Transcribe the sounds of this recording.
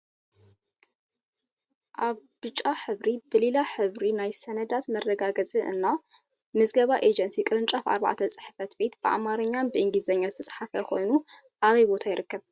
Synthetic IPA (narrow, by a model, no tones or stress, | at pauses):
ʔaβbɨt͡ʃʼːaħɨβɾib̥ɨlilaħɨβɾinajsɐnɐd̪at̪mɐrːɐɡaɡɐt͡sʼiʔɨ̰nːa | mɨzɡɐβaʔed͡ʒɐnsikʼɨɾɨnt͡ʃʼafʔa̰ɾβa̰ʕt̪ʰɐt͡sʼɨ̥ħɨ̥fɐt̪be̞t̪bɨʔa̰maɾɐɲːanbɨʔɨŋɡlizɐɲːazɨt̪ʰɐ̥sʼħafɐkʰo̞jnu | ʔaβɐjbo̞t̪ʰajɪɾɨkːɐβ